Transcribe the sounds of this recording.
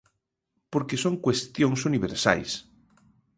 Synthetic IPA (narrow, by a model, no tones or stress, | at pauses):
poɾkesõŋkwest̪jõŋsuniβ̞eɾsa̰js